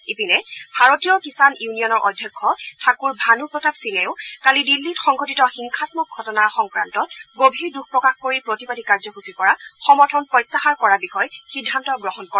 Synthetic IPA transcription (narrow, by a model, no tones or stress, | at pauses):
ipinɛbʱaɹotijɔkisanjunijɔnɔɹʔɔdʱjɔkʰːɔtʰakuɹbʱanupɹɔtabsilɛʊkalidilːitxɔŋɡotitɔxiŋkʰatmɔk̚ɡʱɔtɔnaxɔŋkɹantɔtɡobʱiɹdukʰpɹɔkaxkoɹipɹotipadikaɹzɔxusipɔɹaxɔmɔɹtʰɔnpɹɔjt̪ːaxaɹkɔɹabixɔjxidʱːantɔɡɹɔɦɔnkɔɹɛ